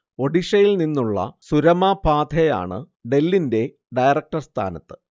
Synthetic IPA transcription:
o̞ɖiʂɐjilninːuɭːɐ̰suɾɐmapaːd̪ʰʱeja̰ːɳɨ̰ | ɖe̞lːinde̞ | ɖɐjrɐk̚ʈɐrst̪ʰa̰ːnɐt̪ːɨ̥

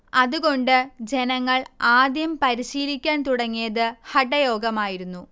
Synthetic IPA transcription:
ɐðuɣo̞ɳɖɨd͡ʑe̞nɐŋːɐɭaːd̪jɐmpɐɾiɕiːlikʲːaːnt̪uɽɐŋːijɐðɨhɐʈːɐjo̞ːɡɐmaːjiɾunːu

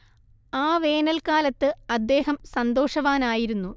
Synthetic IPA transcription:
aːʋe̞ːnɐlkaːlɐt̪ːɨɐd̪ːe̞ːɦɐmsɐnd̪o̞ːʂɐʋaːnaːjiɾunːu

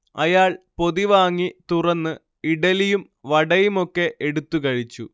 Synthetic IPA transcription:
ɐjaːɭpo̞ðiʋaːŋːit̪urɐnːɨ | iɽɐlijum | ʋɐɽɐjumo̞kːe̞ʔeɽut̪ːukɐɻit͡ɕːu

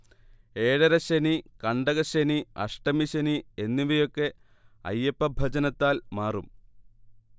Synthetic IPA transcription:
e̞ːɻɐɾɐɕenikɐɳɖɐɣɐɕeniɐ̰ʂʈɐmiɕɐnienːiʋɐjo̞kːe̞ | ɐ̰jːɐpːɐbʱɐd͡ʑɐnɐt̪ːaːlmaːrum

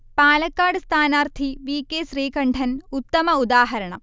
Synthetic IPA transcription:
paːlɐkːaːɽɨst̪ʰaːnaːrt̪ʰiʋiːkːeːɕriːkɐɳɖʰʱɐnut̪ːɐmɐud̪aːɦɐɾɐɳɐ̰

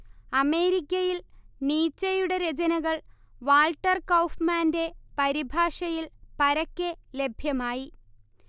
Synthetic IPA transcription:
ɐme̞ːɾikʲːɐjilniːt͡ɕːɐjuɽeɾed͡ʑɐnɐɣɐɭ | ʋaːlʈːɐrkɐwfmaːnde̞pɐɾibʱaːʂɐjilpɐɾɐkʲːele̞bʱjɐmaːji

